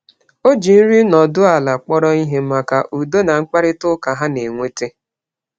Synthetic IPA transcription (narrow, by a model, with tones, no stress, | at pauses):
o˦d͡ʒi˨n̩˦ɾi˦nɔ˨dʊ˦a˨la˨k͡pɔ˦ɾɔ˦i˦ɦe˦ma˨ka˨ʔu˨do˦na˨ŋ͡m̩˦k͡pa˦ɾɪ˦tʊ˦ka˨ɦa˦ne˨ŋʷe˦te˦